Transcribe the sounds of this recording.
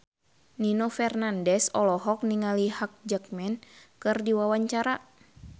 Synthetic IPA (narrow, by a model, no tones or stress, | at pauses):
ninɔfɛrnandɛsɔlɔɦɔk̚niŋalihak̚d͡ʒək̚mɛnkɨrdiwawaɲt͡ʃaɾa